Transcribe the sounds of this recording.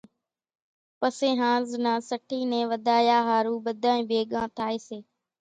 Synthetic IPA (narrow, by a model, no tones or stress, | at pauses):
pəsẽːɦãːznãːsəʈʰiːnẽːʋəd̪ʱaːjaːɦaːɾuːɓəd̪ʱãːĩːbeːɠãːt̪ʰaːeːseː